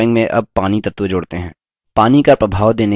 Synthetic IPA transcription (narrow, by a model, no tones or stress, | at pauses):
ɪ̃ŋɡmẽʔɐ̰b̚paːnit̪ɐt̪ʋed͡ʒoːɽt̪eɦɛ̃ː | paːnikɐpɾɐbʱaːʋd̪eːne